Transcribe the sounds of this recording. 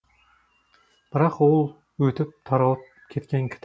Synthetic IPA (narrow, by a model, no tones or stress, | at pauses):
b̥ɪɾɑqolˠ | wɵt̪ʰɪp̚t̪ʰɑɾɑlˠp̚ | kʲʰet̪kʲaŋkʲʰɪ̥t̪ʰ